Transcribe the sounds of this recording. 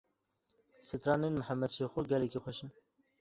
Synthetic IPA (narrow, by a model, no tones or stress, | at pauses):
sɨt̪ɾɑːnenməħæmːɛd̪ʃexoɡɛlɛkixʷɛʃin